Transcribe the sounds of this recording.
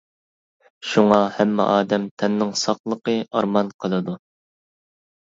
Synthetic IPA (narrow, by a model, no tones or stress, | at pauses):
ʃuŋɑhɛmːɪ̰ʔɑːd̪ɛmt̪ʰɛnːɪŋsɑχlˠəqəɑɾmɑnqʰəlˠɨd̪u